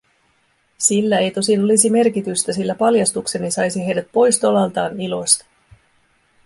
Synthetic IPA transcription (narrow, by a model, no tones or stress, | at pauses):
silːæejt̪o̞sino̞lisime̞rkit̪yst̪æsilːæpɑljɑst̪ukse̞nisɑjsiɦe̞jdæt̪̚po̞jst̪o̞lɑlt̪ɑːnilo̞st̪ɑ̥